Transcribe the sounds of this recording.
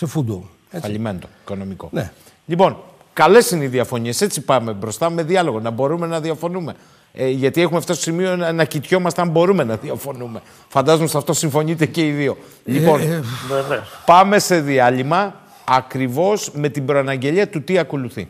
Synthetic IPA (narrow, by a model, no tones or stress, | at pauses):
sefud̪̚bol | epɐʎimend̪o̞i̥ko̞no̞miko̞̰ne | ʎipo̞n | kɐle̞sineiðiɐfo̞ɲie̞se̞t͡sipɐme̞bɾo̞st̪ɐme̞ðiɐlo̞ɣo̞nɐbo̞ɾume̞nɐðiɐfo̞nume̞ | ʝɐt̪ie̞xumeft̪ososimio̞enɐcit̪ço̞mɐst̪eɐmbo̞ɾume̞nɐðiɐfo̞nume̞ | fɐnd̪ɐzomosɐft̪o̞siɱfo̞ɲit̪ece̞iðio̞ | ʎipo̞nenepɐme̞se̞ðiɐʎimɐː | kɾivo̞sme̞t̪ibɾo̞ɐnɐɲɟe̞ʎiɐt̪ut̪iɐko̞luθḭ